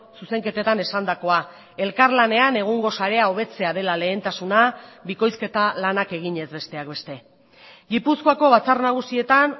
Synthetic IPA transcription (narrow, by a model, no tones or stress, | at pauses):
suse̞ŋke̞t̪e̞t̪ane̞sand̪ako̞a | e̞lkaɾlane̞ane̞ɣ̞oŋɡo̞saɾe̞ao̞β̞e̞t͡se̞aðe̞lale̞ːnt̪asunabiko̞jske̞t̪alanake̞ɣ̞iɲe̞zβe̞st̪e̞ak̚be̞st̪e̞ | ɡipusko̞ako̞β̞at͡sarnaɣ̞usie̞t̪an